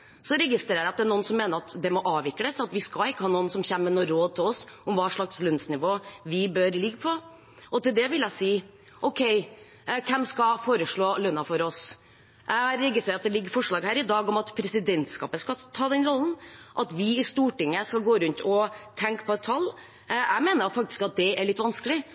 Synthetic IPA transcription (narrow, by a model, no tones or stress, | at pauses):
sɔɾɛɡɪst̪ɾeːɾəɾɑt̪d̪ɛæɳnuːənsɔmːeːnəɾɑt̪d̪ɛmɔʔɑːʋɪkːləsɑt̪ʋɪskɑɪkːəhɑːnuːnsɔmçæːmːənoːɾoːd̪̚t̪ʰɪlɔsʔʊmʋɑːʂɭɑkslœnsnɪʋoːʋɪbœɾlɪɡːəpʰɔ | ʔɔt̪ɪld̪ɛʋɪljæsiː | ʔɔʊkʰɛɪ | kʰɛmskɑfoːɾəʂɭoːlœnːɑfɔɾɔs | ɾɪɡːəsæɪɑt̪̚d̪ɛlɪɡːəɾfɔʂɭɑːɡhæːɾɪd̪ɑːɡɔmɑt̪pʰɾɛsɪd̪ɛnt̪skɑ̰ːpəskɑt̪ʰɑːd̪ɛnɾɔln̩ʔɑt̪ʋɪɪst̪uːʈɪŋːəskɑɡoːɾʉnt̪ʰɔt̪ʰɛŋkpʰɔɛt̪ʰːɑlː | æɪmeːnəɾfɑk̚t̪ɪ̥skɑt̪̚d̪ɛæɾɭɪt̪ːʋɑnskəlɪ